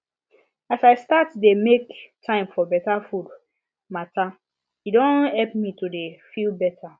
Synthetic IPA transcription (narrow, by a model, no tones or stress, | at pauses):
asaɪstatdemektʰãɪ̃mfɔbɛtafud | mata | idõnhɛlpmitudefilbɛtʰa